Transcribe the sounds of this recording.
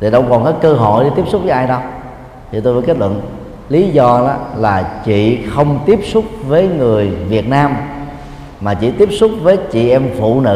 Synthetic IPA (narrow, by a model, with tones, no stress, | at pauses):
t̪ʰi˨˩ɗə˧wŋ͡mkɔ˨˩nkɔ˨˦kəː˧ɦɔ̰˧˨jɗi˧˩t̪i˦˥p̚sʊ˦˥k͡p̚vəː˨˦ʔaː˧jɗə˧w | t̪ʰi˨˩t̪o˧jvəː˨˦ke˦˥t̚lwə̰˧˨n | li˨˦zɔ˧la˨˦laː˨˩t͡ɕḭ˧˨xə˧wŋ͡mt̪i˦˥əp̚sʊ˦˥k͡p̚vəː˨˦jŋɨ˨˩əjvi˨˩ət̚naː˧m | maː˨˩t͡ɕḭ˧˨t̪i˦˥əp̚sʊ˦˥k͡p̚vəː˨˦jt͡ɕḭ˧˨ʔɛ˧mfṵ˧˨nɨ̰˧